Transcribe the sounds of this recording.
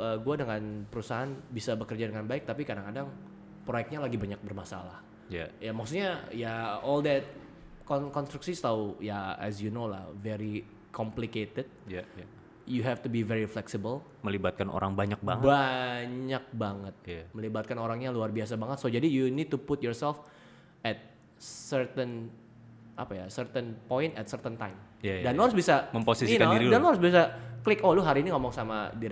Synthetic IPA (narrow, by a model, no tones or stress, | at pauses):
ʔəɡuadəŋanpəɾusaɦanbisabəkərd͡ʒadəŋanbaɪk̚t̪apikadaŋkadaŋ | pɾojɛk̚t̪̚ɲalaɡibaɲak̚bərmasa̰lah | jajamaksut̪̚ɲajaɔldɛt̪̚ | kɔnkɔnst̪ɾuksist̪awjaɛ̰s̬junola̰hvɛɾi | kʰɔmpliket̪ɪd̚ja | juɦɛft̪ubivɛɾiflɛksibəl | məlibat̪̚kano̰ɾaŋbaɲak̚baŋəbaɲak̚baŋət̪̚jaməlibat̪̚kanoɾaŋɲaluarbiasabaŋət̪̚sod͡ʒadijunid̚t̪upʊt̪̚jɔrsɛlf | ʔɛt̪̚ | sərt̪ən | ʔa̰pajasərt̪ənpɔɪnt̪ɛt̪̚sərt̪ənt̪ajmjadanloɾʊs̬bisaməmposisinkandiɾidanoɾusbias̬aklɪkolʊɦaɾiːniŋomɔŋsama̰diɾ